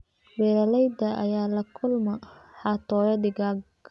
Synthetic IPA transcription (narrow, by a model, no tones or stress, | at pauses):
wɛːɾɐlɛjd̪ɐʔɐ̰jaːlɐkʰʊlmɐħɑːt̪ʰɔːjɐd̪ɪɡa